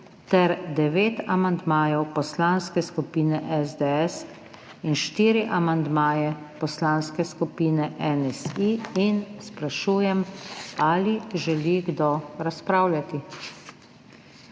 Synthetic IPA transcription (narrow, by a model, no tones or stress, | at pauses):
t̪ɛɾd̪ɛʋeːt̪amand̪maːjɛwpɔslanskɛskupiːnɛʔɛzd̪ɛɛs | inʃt̪iːɾiʔamand̪maːjɛ | pɔslaːnskɛskupiːnɛʔɛnɛsiinspɾaʃuːjɛmaːliʒɛliɡd̪oɾaspɾaːwljat̪i